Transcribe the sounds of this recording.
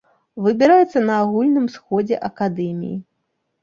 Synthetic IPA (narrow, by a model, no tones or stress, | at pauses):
vɨbʲiɾajɛt̪sːɐnɐːɣulʲnɨmsxɔd͡zʲɛ̰ʔɐkad̪ɛmʲḭjḭ